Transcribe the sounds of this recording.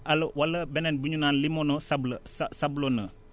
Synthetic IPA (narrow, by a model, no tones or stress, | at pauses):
ʔalwɐlɐbɛnenbuɲunaːnlimonosablssablonə